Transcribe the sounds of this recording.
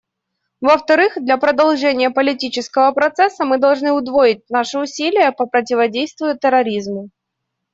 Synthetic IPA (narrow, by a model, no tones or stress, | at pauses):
vəft̪ɐɾɨxd̪lʲɐpɾəd̪ɐlˠʐɛnʲɪjəpəlʲɪtʲit͡ɕɪskəvəpɾɐt̪sɛsːəmɨd̪ɐlˠʐnɨʊd̪vojɪt̚ʲnaʂɨʊsʲilʲɪjəpəpɾətʲɪvɐdʲejst̪vʲʊjʊt̪əɾɐɾʲizmʊ